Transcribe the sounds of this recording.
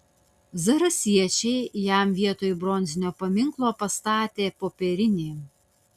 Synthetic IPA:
zɐɾɐsʲiɛt͡ʃʲɛɪjæˑmʋʲiɛt̪oːjʊbɾɔnʲzʲɪnʲoːpɐmʲɪŋklˠoːpɐst̪ɑːt̪ʲeːpoːpʲɛɾʲɪnʲeː

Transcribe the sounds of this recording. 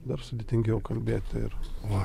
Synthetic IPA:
d̪ɐɾsʊd̪ʲɪt̪ʲɪŋʲɡʲɛʊkɐlʲbʲeːt̪ʲɪɪ̰ɾʋɐ

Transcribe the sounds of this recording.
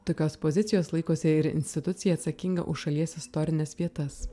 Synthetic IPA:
t̪oːkʲoːspozʲɪt̪sʲɪjoːslˠɐɪkoːsʲɛɪɾɪ̰nʲsʲt̪ʲɪt̪ʊt̪sʲɪjɛːt̪sɐkʲɪŋɡɐ̰ʔʊʃʃɐlʲiɛsɪst̪ɔɾʲɪnʲɛsʋʲiɛt̪ɐs

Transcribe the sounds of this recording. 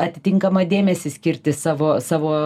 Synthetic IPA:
ɐt̪ʲɪt̪ʲɪŋkɐmɐd̪ʲeːmʲɛsʲɪsʲkʲɪɾʲt̪ʲɪsɑːʋoːsɑːʋoː

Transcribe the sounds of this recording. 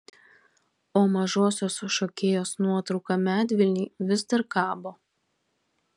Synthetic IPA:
oːmɐʒoːsʲoːsʊʃoːkʲeːjoːsnuɔt̪ɾɒʊkɐmʲæːt̪ʲʋʲɪlʲnʲiːʋʲɪzd̪ɐɾkɑːboː

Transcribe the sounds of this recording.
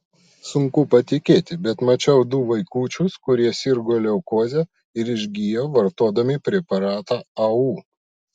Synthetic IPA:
sʊŋkʊpɐt̪ʲɪkʲeːt̪ʲɪbʲɛt̪mɐt͡ʃʲɛʊd̪ʊʋɐɪkuːt͡ʃʲʊskʊɾʲiɛsʲɪɾɡoːlʲɛʊkoːzʲɛ | ɪɾɪʒʲɡʲijoːʋɐɾt̪oːd̪ɐmʲɪpʲɾʲɛpɐɾɑːt̪ɑːɐuː

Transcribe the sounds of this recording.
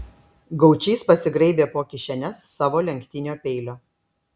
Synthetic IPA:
ɡɐʊt͡ʃʲiːspɐsʲɪɡɾɐɪbʲeːpoːkʲɪʃʲɛnʲɛsːɑːʋoːlʲɛŋʲˑkt̪ʲɪnʲoːpʲɛɪlʲoː

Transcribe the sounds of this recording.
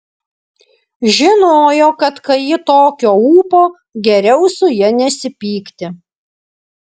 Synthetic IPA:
ʒʲɪnoːjoːkɐt̪kɐjɪt̪oːkʲoːuːpoː | ɡʲɛɾʲɛʊsʊjɛnʲɛsʲɪpʲiːkt̪ʲɪ

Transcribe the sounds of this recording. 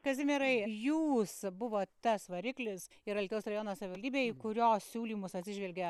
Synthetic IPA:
kɐzʲɪmʲɛɾɐɪjuːsbʊʋoːt̪ɐsʋɐɾʲɪklʲɪs | ɪɾɐlʲt̪ʲɛʊsrɐjoːnosɐʋʲɪʋɐlʲd̪ʲiːbʲeːkʊɾʲoːssʲuːlʲiːmʊsɐt̪ʲsʲɪʒʲʋʲɛlʲɡʲɛ

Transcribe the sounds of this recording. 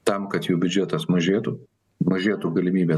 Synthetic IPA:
t̪ɐmkɐt̪juːbʲʊd͡ʒʲɛt̪ɐsmɐʒʲeːt̪ʊ | mɐʒʲeːt̪ʊɡɐlʲɪmʲiːbʲeː

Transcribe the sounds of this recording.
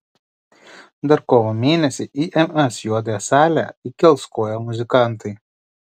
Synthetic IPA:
d̪ɐɾkoːʋomʲeːnʲɛsʲɪʔiːʔɛmɛsjuɔd̪ɐjɛsɑːlʲæ̰ikʲɛlˠskoːjɛmʊzʲɪkɑˑnt̪ɐɪ

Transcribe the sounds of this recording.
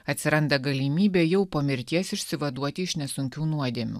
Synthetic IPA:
ɐt̪ʲsʲɪɾɐnd̪ɐɡɐlʲimʲiːbʲeːjɛʊpɐmʲɪɾʲt̪ʲiɛsɪʃʲsʲɪʋɐd̪uɔt̪ʲɪɪʃnʲɛsʊŋʲkʲuːnuɔd̪ʲiɛmʲṵː

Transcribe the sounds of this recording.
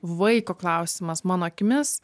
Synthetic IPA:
ʋɐɪkoːklˠɐʊsʲɪmɐsmɑːnoːɐkʲɪmʲɪs

